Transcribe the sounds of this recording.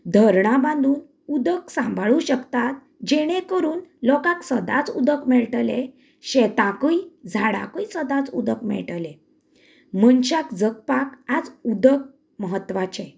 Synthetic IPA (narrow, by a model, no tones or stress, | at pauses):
d̪ʱəɾɳabãnd̪ʱuːn | ud̪əksãmbʱɭuɕəkt̪at̪̚ | d͡ʑeɽ̃ẽkəɾuːnlɔkãksəd̪a̰t͡sud̪əkmɛɭʈle | ɕɛt̪ãkəid͡zʱaɽã̰kəisəd̪at͡sud̪əkmɛ̰ɭʈəle | mənt͡ɕakd͡zək̚pakad͡zud̪ək̚ | məɦət̪ːʋat͡ɕẽ